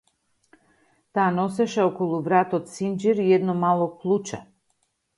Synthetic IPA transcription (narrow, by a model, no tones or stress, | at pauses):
t̪aːnɔsɛʃɛɔkolˠuvɾat̪ot̪sind͡ʒiɾijɛd̪nɔmalˠɔplˠut͡ʃa̰